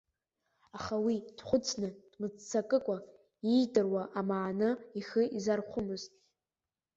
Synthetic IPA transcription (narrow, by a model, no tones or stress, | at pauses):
aχawid̥χʷʊt͡sʰnɨd̥mɨd͡zt͡sʰakʼɨkʷʼa | ijdʼɨrwaʔamaːnɨiχɨizarχʷʊmɨztʼ